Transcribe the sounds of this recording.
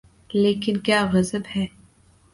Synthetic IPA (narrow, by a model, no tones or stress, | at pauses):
leːkɪnkjaːɣɐzəbhɛː